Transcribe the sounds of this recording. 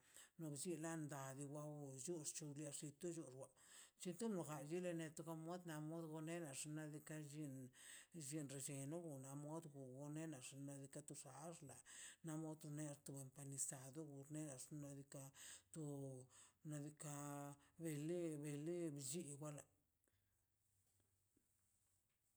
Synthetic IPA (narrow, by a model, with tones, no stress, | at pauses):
no˧bzi˦la˦nd̪a˨d̪i˧wʷa˦wo˨ju˦ʂt͡ʃu˧la˧ʂi˧t̪u˦d͡ʒu˧ɾwa˨t͡ʃi˧˦t̪u˦no˨ɡa˨d͡ʒi˦le˧ne˧t̪u˧ka˧mo˦d̪na˧mo˦d̪ɡo˧ne˦na˨ʂna˧d̪i˧ka˦ʒi˦nʒi˧nɾe˨d͡ʒe˨no˦ɡu˨na˧mo˦d̪ɡu˨ɡo˧ne˦na˨ʂna˧d̪i˧ka˦t̪u˧ʂa˨˦ʐla˨na˦mo˦d̪ne˦˧t̪u˧be˧mpa˧ni˧sa˨d̪o˦ɡu˨ɾne˦na˨ʂna˧d̪i˧ka˧t̪o˧ | na˧d̪i˧ka˧be˧le˦be˧le˦bd͡ʒi˦ɡʷa˦la˨